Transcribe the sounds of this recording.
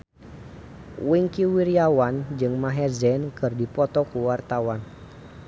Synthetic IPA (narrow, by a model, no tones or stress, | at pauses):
wiŋkiwiɾiawand͡ʒɨŋmaɦɛrzɛnkɨrdipɔt̪ɔkuwart̪awan